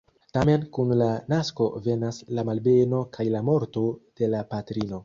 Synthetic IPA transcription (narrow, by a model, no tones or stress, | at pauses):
tame̞nkunlanasko̞ve̞naslamalbe̞no̞kʰajlamo̞ɾto̞d̥e̞lapatɾino̞